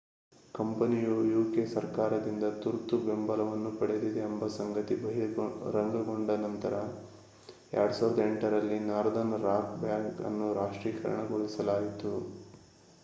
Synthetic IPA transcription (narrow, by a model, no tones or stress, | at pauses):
kɐmpɐnijujuːkesɐɾkaːɾɐd̪ind̪ɐt̪uɾt̪ube̞mbɐlɐʋɐnːupɐɽed̪id̪eːmbɐsɐŋɡɐt̪ibɐɦiɾɐŋɡɐɡo̞ɳɖɐnɐnt̪ɐɾɐ | ɛ̰ːɾɐɽusaːʋɾɐd̪eɳʈɐɾɐlːinaːɾɐd̪ɐnɾaːkbjaːŋkɐ̰nːuɾaːʂʈɾiːɐkɐɾɐ̰ɳɐɡoɭisɐlaːɡit̪u